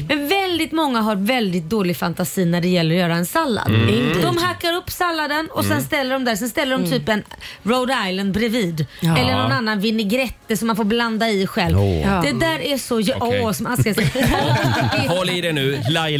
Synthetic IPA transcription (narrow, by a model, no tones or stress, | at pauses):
mɛnvɛld̪ɪt̪mɔŋːaɦaɾvɛld̪ɪt̪̚d̪oːlɪɡfant̪asiːnæɖɛjɛlːəɾɔjœːɾaɛnsalːa̰d̪d̪ɔmhakːaɾɵpːsalːad̪ənɔsɛnst̪ɛlːəɖɔmd̪æɾʂɛnst̪ɛlːəɖɔmt̪ʰyːpɛnɾoʊd̪ajland̪̚ɾɛviːd̪ɛlːənɔnanːanvɪnːɪɡɾɛt̪ːəsɔmːanfoːɾbland̪aɪɧɛlvd̪ɛd̪æːɾæʂɔʔɔsɔmakas | ɔlɪdɛnʉ